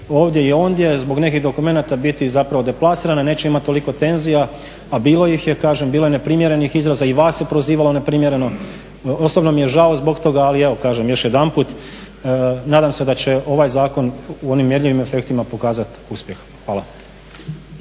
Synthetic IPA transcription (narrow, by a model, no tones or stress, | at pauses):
o̞ːʋd̪je̞io̞ːnd̪je̞zbo̞ɡne̞kiɣd̪o̞kume̞nat̪abit̪izapɾaʋo̞d̪e̞plˠasiɾananeːt͡ɕeimat̪t̪ːo̞liko̞t̪e̞nzija | abiːlˠo̞jixjekaːʒembiːlo̞jene̞pɾimje̞ɾe̞nixizɾazaiʋaːsjepɾo̞ziːʋalo̞ne̞pɾimjeɾe̞no̞ | o̞sobno̞mijeʒaozbo̞kt̪o̞ɡaːlieʋo̞kaːʒemjo̞ʃjed̪anpuːt̪ | naːd̪amse̞d̪at͡ɕe̞ʔo̞ʋajzaːko̞nuo̞nimːjeɾʎiʋime̞fe̞kt̪imapo̞kaːzat̪ | uspje̞x | xʋaːlˠa